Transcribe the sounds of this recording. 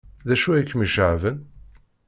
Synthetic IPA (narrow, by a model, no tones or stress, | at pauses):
ðæʃuikːmiʃʕvən